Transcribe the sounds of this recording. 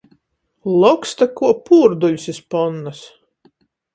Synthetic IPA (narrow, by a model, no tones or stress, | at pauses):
lˠɔkst̪akuɔpuːɾd̪ulʲsispɔnːas